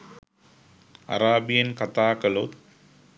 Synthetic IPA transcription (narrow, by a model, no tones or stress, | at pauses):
ɐ̰ɾaːbijɐnkɐt̪aːkɐlot̪